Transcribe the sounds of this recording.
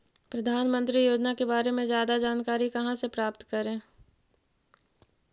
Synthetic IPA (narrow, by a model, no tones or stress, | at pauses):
pɾɐd̪ʱaːnmə̃nt̪ɾijoːd͡ʒnakebaːɾemẽzjaːd̪ad͡ʒaːnkaːɾikɐɦãsepɾaːpt̪kəɾẽː